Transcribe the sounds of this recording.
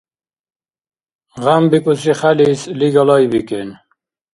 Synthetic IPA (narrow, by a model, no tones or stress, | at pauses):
ʁambikusiχælisliɡɑlɑjbiken